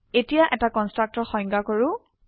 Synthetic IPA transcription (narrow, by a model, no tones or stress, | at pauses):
etijaʔɛtakɔnstɹak̚tɔɹxɔjŋɡakoɹʊ